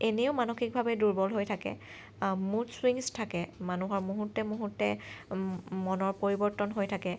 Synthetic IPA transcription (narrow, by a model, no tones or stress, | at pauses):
eneʊmanoxik̚bʱabɛduɹbɔlɦojtʰakɛ̰ | muswiŋstʰakɛmanuɦɔɹmuɦutːɛmuɦutːɛ | mɔnɔɹpoɹibɔɹtɔnɦojtʰakɛ